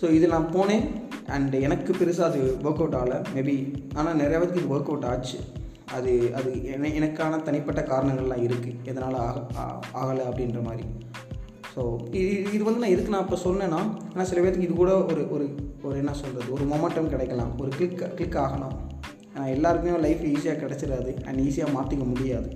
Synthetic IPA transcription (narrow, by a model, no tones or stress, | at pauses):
soːɪðɯnãːpoːnẽːɐɳɖɛnɐkːɯpɛɾɯs̬aɐðɯʋoːkɐʋʈːaːlɐmɛbiaːnaːnɛɾɐjaːʋɐt̪ːɯkːɯɪðɯʋɐːɾkːɐʋʈːaːt͡ʃːɯ̰ | ɐðɯɐðɯɛnɛnɐkːaːnɐt̪ɐnɪpːɐʈːɐkaːɾɐɳɐŋɡɐɭlːãːɪɾɯkːɯɛðɐnaːlaːɐ̰aːɣɐlɐɐpːɐɽɪnrɐmaːd̪ɾḭ | soːɪɪðɯʋɐnd̪ɯnãːɪɾɯkːɯnãːɪpːoːsɔlːnẽːnːãːeːnaːsɪlɐʋeɛːɾɐt̪ːɯkːɪðɯkuːɽɐɔɾɯʔɔɾɯɔɾɯɛnːɐsɔlɾɐðɯɔɾɯmoːmɐɳʈɐmkɪɽɛɪkːɐlã̰ːɔɾɯklɪkːklɪkːaːɣɐnã̰ | eːnaːɛlːaːɾɯmeːjõlɐɪfiːs̬ɪjaːkɪɽɛt͡ʃːɪɾaːðɯʔɐ̰ɳɖiːsɪjaːmaːt̪ɯkːɐmʊɽɪjaːðɯ